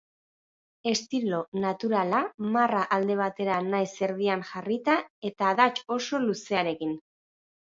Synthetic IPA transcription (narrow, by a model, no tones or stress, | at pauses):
e̞st̪ilo̞nat̪uɾalamaraʔald̪e̞β̞at̪e̞ɾanajse̞ɾð̞ianʝarit̪ae̞t̪aːðat͡ʃo̞so̞luse̞aɾe̞kin